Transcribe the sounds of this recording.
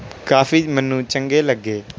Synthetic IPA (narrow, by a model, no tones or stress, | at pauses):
kaːfiːmənːũːt͡ʃəŋɡeːləɡːeː